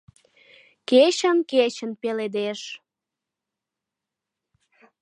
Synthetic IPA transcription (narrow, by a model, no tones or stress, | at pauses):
ket͡ɕənket͡ɕənpeled̪eʃ